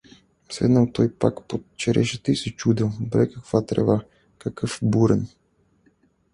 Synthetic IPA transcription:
svɛ̰d̪nalˠt̪ɔjpakpot̪t͡ʃɛɾɛʃit̪ɛisɛt͡ʃud̪ilˠbɾɛkakvat̪ɾɛ̰ba | kakəfbuɾɛn

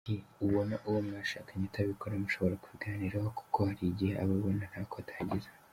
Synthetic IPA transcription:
iuβo̞naʔuwomŋaʃakʰaɲataβikoɾamuʃo̞βo̞ɾaku̥βiɡaːniɾahoku̥kʰohaɾiɟiea̰βoβonanhakotʰḁːɟiza

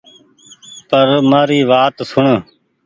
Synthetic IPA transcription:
pəɾmaːɾiːʋaːt̪sʊɳ

